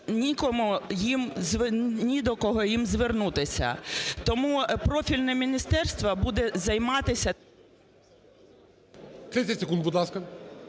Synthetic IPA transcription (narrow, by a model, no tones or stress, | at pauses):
nʲikɔmujimzʋnʲid̪ɔkɔɦɔjimzʋernut̪ɪsʲɐ̰t̪ɔmupɾɔfʲilʲnɛmʲinʲist̪ɛrst̪ʋɐbud̪ɛzɐjmɑt̪ɪsʲɐ | t̪ɾɪsʲɐtʲsekund̪̚bud̪lˠɑskɐ